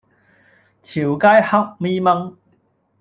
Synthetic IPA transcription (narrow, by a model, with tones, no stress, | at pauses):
t͡sʰiː˨˩wkaː˥jhɐ˥k̚miː˥mɐ˥ŋ